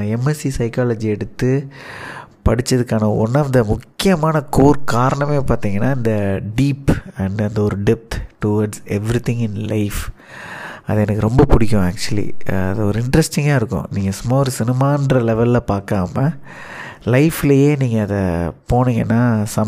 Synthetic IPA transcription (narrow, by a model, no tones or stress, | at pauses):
ɛmɛsisɐɪkaːlɐd͡ʒiɛɽɯt̪ːɯ | pɐɽɪt͡ʃːɐðɯkːaːnɐɔ̰nːɐnd̪ɐmʊkːɪjɐmaːnɐkoːɾkaːɾɐɳɐmeːpaːɾt̪iːŋɡɐnːaːɪnd̪ɐɖiːpɐɳɖɐnd̪ɐɔɾɯɖɪp̚t̪ʈʊʋɐɾɖsɛʋɾɪt̪ɪ̃ŋɪnlɐɪf | ɐðɐɛnɐkːɯɾɔmbɐpʊɽɪkʲːʊ̃aːk̚t͡ʃʊɐlḭɐ̰ðɐɔɾɯɪɳɖɾɛsʈɪŋɡaːɪɾɯkːʊ̰̃niːŋɡɐsʊmːaːɔɾɯsɪnɪmaːnɖɾɐlɛʋɐlɪlɐpaːɾkaːmɐ | lɐɪfɪlɐjeːniːŋɡɐːðɐ̰poːniːŋɡɐnːaːsɐm